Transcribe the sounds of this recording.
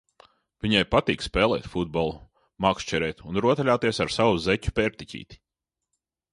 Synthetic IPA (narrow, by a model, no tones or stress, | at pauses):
vʲiɲajpat̪iːkspɛːlˠɛ̰ːt̪fud̪̚bɔlˠu | makst͡ʃɛɾɛːt̪unɾuɔt̪aʎʲaːt̪iɛsaɾsawuzɛcʲu̥pʲɛɾt̪icʲḭːt̪i̥